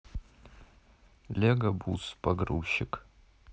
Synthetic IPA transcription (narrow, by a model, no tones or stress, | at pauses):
lʲeɡɐbuspʼɐɡrṵʃɪk